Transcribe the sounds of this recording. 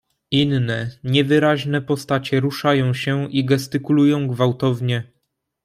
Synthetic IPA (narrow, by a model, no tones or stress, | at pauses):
inːɛɲɛvɘɾaʑnɛpɔst̪at͡ɕɛɾuʂajɔ̃w̃ɕɛʔiɡɛst̪ɘkulujɔ̃w̃ɡvawt̪ɔvɲɛ